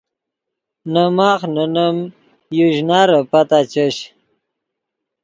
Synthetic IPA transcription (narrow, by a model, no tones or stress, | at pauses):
nəmaːχnənəm | juʑnaːɾəpat̪at͡ɕəɕ